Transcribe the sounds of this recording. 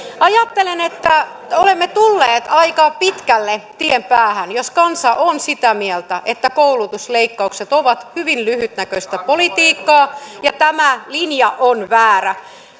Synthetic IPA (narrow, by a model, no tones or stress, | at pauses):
ɑjɑt̪ːelenet̪ːæ | olemːet̪ulːeːt̪ɑikɑpit̪kælːet̪iempæːhænjoskɑnsɑʔonsit̪æmielt̪æʔet̪ːækoulut̪usleikːɑukset̪oʋɑt̪hyʋinlyhyt̪nækøsʲt̪æpolit̪iːkːɑːjɑt̪æmælinjɑʔonʋæːræ